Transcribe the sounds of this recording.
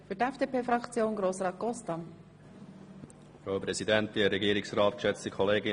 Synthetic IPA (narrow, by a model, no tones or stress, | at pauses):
fytɛfd̥eːpʰeːfɾɑkt͡sjoːnɡɾoːsrɑːt̚ɡ̥ɔstɑ | foʊpɾɛsidɛnt̪iəɾɛɡiːɾɪksrɑːt̪kʃɛt͡st̪ikʰɔleːɡɪ